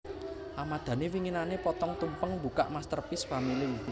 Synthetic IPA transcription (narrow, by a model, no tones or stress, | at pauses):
ʔamad̪̥ä̤newiŋinanepɔt̪ɔŋt̪umpəŋmbuka̰ʔmast̪ərpɪsfamili